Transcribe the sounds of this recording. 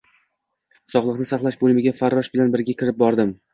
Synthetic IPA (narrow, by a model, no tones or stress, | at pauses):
sɒχlˠɨqnɪsaχlˠaʃbolˠɪmɪɡʲafaɾːɒʃbɪlanbɪɾɡʲakʲʰɪɾɪp̚bɒɾd̪ɪm